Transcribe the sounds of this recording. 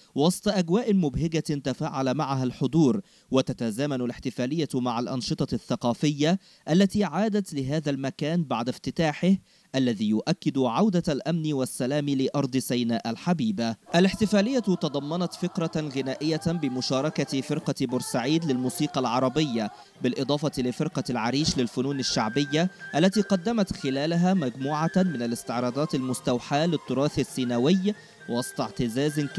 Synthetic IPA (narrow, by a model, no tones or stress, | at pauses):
wɑsˤt̪ˤɑʔaɡwaːʔmʊbɦɪɡant̪afaːʕalamaʕaɦalħod̪ˤuːɾ | wɪt̪at̪azaːmanʊlɪħt̪ɪfaːlɪjːamaʕalʔɑnʃɨt̪ˤɑθːɑqɑːfɪjːa | ʔalːat̪iːʕaːd̪at̪lɪɦaːðalmakaːnbaʕd̪aft̪ɪt̪aːħɪh | ʔalːæðiːjʊʔakːɪd̪ʊʕawd̪alʔamniwasːalaːmilɪʔɑɾˤd̪ˤɨsajnaːʔalħabiːbaʔalɪħt̪ɪfæːlɪjːat̪t̪ɑd̪ˤɑmːɑnɑt̪fɪkɾˤɑɣɪnæːʔɪjːabɪmʊʃɑːɾˤɑkat̪fɪɾqɑbʊɾsaʕiːd̪lɪlmuːsiːqɑlʕɑɾˤɑbɪjːa | bɪlʔɨd̪ˤɑːfɑt̪ilɪfɪɾqɑlʕaɾiːʃlɪlfʊnuːnaʃːaʕbɪjːaʔalːat̪iːqɑd̪ːamat̪xɪlæːlaɦaːmaɡmuːʕamɪnalɪst̪ɪʕɾˤɑːd̪ˤɑːt̪almʊst̪awħaːlɪt̪ˤːʊɾˤɑːθasːinawɪj | wɑsˤt̪ˤɑʕt̪ɪzaːz